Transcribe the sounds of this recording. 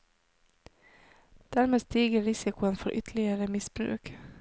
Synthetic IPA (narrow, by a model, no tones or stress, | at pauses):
d̪̥æːɾmeːst̪iːɡəɾɪsɪkʊənfɔɾʔʏ̰t̪ʰəɭɪəɾəmɪsb̥ɾʉ̰ːk